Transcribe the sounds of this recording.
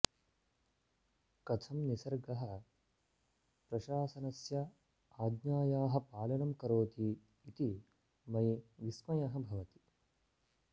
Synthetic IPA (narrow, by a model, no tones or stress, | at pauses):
kɐt̪ʰɐmnisɐɾɡɐɦɐ | pɾɐʃaːsɐnɐsjɐ | aːd̪ɲaːjaːɦɐ̆paːlɐnɐmkɐɾoːt̪iː | t̪i | mɐjʋismɐjɐɦɐ̆bʱɐʋɐt̪i̥